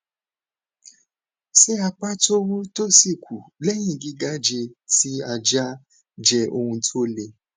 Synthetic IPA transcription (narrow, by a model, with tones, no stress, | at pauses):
se˦a˧k͡pa˦to˦wu˦to˦si˦˨kʷʰu˨lɛ˦j̃ĩ˦˨ɡi˦ɡa˦d͡ʒe˧ti˦a˧d͡ʒa˦ | d͡ʒɛ˧ʔo˧hũ˧tʰo˦le˧